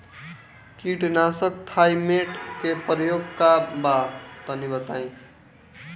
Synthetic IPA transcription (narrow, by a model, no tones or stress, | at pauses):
kiʈnasək̚t̪ʰajmeʈkepɾjoɡkabat̪ʌnibət̪ãj̃